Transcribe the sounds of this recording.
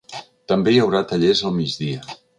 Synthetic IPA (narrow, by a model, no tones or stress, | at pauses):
t̪əmbejəwɾat̪əʎezəlˠmid͡zðiə